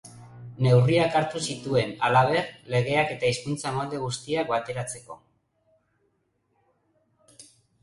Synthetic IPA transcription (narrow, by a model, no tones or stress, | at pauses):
ne̞wriakaɾt̪usit̪ue̞na̰laβ̞e̞rle̞ɣ̞e̞ake̞t̪aiskunt͡samold̪e̞ɣust̪iakbat̪e̞ɾat͡se̞ko̞̰